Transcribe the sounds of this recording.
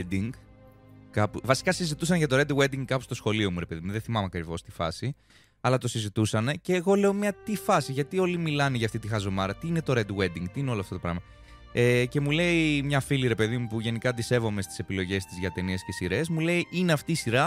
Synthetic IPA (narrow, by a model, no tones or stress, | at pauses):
d̪iŋɡ | kɐpuvɐsi̥kɐsizit̪usɐnʝɐt̪oɾed̪wed̪iŋɡkɐpust̪o̞sxo̞lio̞muɾepe̞ðimuðeθimɐmeɐkɾivo̞st̪ifɐ̰si | ɐlɐt̪o̞sizit̪usɐne̞ce̞ːɣo̞le̞o̞mɲɐt̪ifɐsiʝɐt̪io̞limilɐneʝɐːft̪it̪ixɐzo̞mɐɾɐt̪iine̞t̪o̞ɾed̪wed̪iŋɡt̪iineo̞loɐft̪ot̪pɾɐ̰mɐ | ece̞mule̞imɲɐfiliɾe̞pe̞ðimupuʝe̞nikɐd̪ise̞vo̞me̞st̪i̥se̞pilo̞ʝe̞st̪izʝɐt̪e̞niescesiɾe̞zmule̞iʔineɐft̪iːsiɾɐ